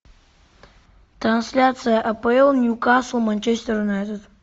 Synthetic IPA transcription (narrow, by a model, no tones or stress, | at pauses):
t̪ɾɐnsʲlʲat̪sɨjəʔɐpɐɛlˠnʲjukaslˠmanʲt͡ʃesʲt̪ʲəɾunajt̪əd̪